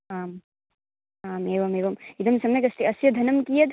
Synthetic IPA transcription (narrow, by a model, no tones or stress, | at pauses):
aːm | aːmeːʋɐmeːbɐmid̪ɐmsɐmɐjkɐsʈiɐsjɐd̪ʱɐnɐmkijɐd̪